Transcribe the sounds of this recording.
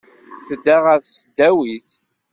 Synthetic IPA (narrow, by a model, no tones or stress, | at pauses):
θəd̪ːaʁəθsəd̪ːæwiθ